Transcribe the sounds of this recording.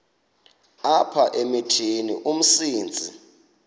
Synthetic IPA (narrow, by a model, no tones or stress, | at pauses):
apʰaʔemitʰinḭʔum̩siːnd͡zʱi